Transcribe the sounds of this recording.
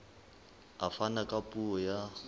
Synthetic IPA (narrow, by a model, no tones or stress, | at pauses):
afanakʼapʼuɔja